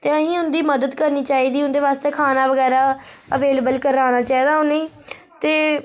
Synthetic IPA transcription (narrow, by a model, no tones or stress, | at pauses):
t̪eːəɦĩːʊnd̪iːməd̪əd̪kəɾniːt͡ʃaːiːd̪iːʊ̃nd̪eːʋaːst̪eːkʰaːnaːʋəɡɛːɾaːəʋeːləbəlkəɾaːnaːt͡ʃaːiːd̪aːʊnːiː | t̪eː